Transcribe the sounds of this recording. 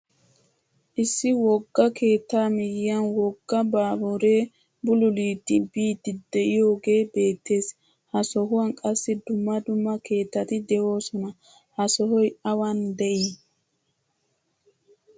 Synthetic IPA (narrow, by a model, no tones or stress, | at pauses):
ʔɪsːɪwɔɡːɐkʰe̞ːt̪ːaːmɪjɪjɐnwɔɡːɐbaːbuɾe̞ː | bʊlʊliːt̪ːɪbiːt̪ːɪd̪ɛʔɪjo̞ːɡe̞ːbe̞ːt̪ːe̞ːs | hɐsɔɦʊwɐŋkʼɐsːɪd̪ʊmːɐd̪ʊmːɐke̞ːt̪ːɐt̪ɪd̪ɛʔo̞ːsɔnɐ | hɐsɔhɔjɐwɐnd̪ɛʔi